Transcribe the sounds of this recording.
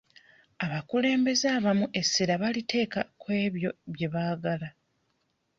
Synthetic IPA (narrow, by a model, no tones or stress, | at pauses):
aβakule̞ːmbe̞zaːβamuʔe̞sːiɾaβalitʰe̞ːkakwe̞ːβjo̞βje̞βaːɡala